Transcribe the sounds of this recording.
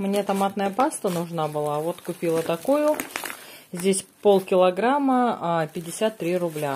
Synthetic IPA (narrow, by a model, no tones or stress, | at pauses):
mnʲet̪ɐmat̪nəjəpast̪ənʊʐnabɨlˠavo̞t̪kʊpʲilˠət̪ɐkojʊ | zʲdʲesʲpo̞lˠkʲɪlˠɐɡɾamːəpʲɪdʲɪsʲat̪ːɾʲiɾʊblʲa